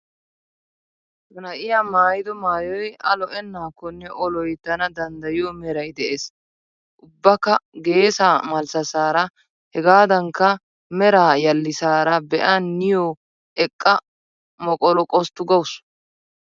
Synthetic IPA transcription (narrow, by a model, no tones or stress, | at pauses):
mɐnɐʔɪjamaːjɪd̪ɔmaːjɔjɐ̰lɔʔɛnːaːkːɔnːɛʔɔlɔjt̪ːɐnɐd̪ɐnd̪ɐjɪjɔmɛɾɐjd̪ɛʔes | ʔʊbːɐkːɐɡe̞ːsaːmɐlsɐsaːɾɐ | hɛɡaːd̪ɐŋkːɐ | mɛɾaːjɐlːɪsaːɾɐbɛʔanːɪjoː | ɛkʼːɐ | mɔkʼɔlɔkʼɔst̪ːʊɡɐwʊs